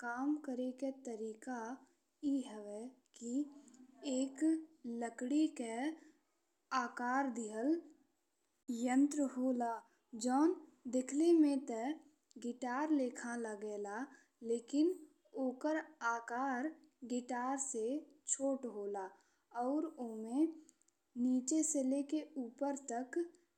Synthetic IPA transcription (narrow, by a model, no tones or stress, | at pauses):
kaːmkəɾeket̪əɾiːka | iɦɛʋɛki | eːkləkɽike | aːkaːɾd̪ɪɦəl | jə̃nt̪ɾəɦoːlaː | d͡ʒɔːn | d̪ɪkʰlemẽt̪ɛ | ɡɪʈaːɾleːkʰaləɡeːla | leːkɪn | oːkəɾaːkaːɾ | ɡɪʈaːɾset͡ʃʰoːʈɦoːlaː | ɔːɾoːmẽ | niːt͡ʃeselekeuːpəɾt̪ək